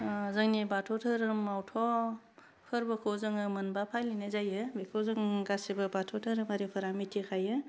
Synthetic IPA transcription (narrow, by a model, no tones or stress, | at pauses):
zɯŋnibatʰɔtʰɯɾɯmːawtʰɔ | pʰɯɾbɯkʰɔzɯŋɯmɯnbapʰajlinezajɯbekʰozɯŋɡasebɯbatʰɔtʰɯɾɯmaɾepʰɯɾamitʰikʰajɯ